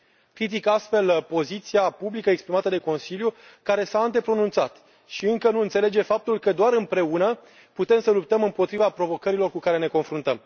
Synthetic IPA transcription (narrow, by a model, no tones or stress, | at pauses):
kɾit̪̬ikast̪fe̞lpo̞zit̪siapublikəekspɾimat̪əd̪e̞ko̞nsiljukaɾe̞saɨnt̪e̞pɾo̞nunt̪sat̪ | ʃiɨŋkənuɨnt̪sele̞d͡ʒe̞fap̚t̪ulkəd̪oaɾɨmpɾe̞unə | put̪e̞msəlup̚t̪əmɨmpo̞t̪ɾivapɾo̞vo̞kəɾilo̞rkukaɾe̞ne̞ko̞nfɾunt̪əm